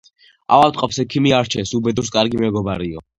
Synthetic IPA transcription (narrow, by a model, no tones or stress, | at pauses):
a̰valt̪ʼqʼɔpsɛkʰimiaɾt͡ʃʰɛsubɛd̪uɾs̬kʼaɾɡimɛɡɔbaɾiɔ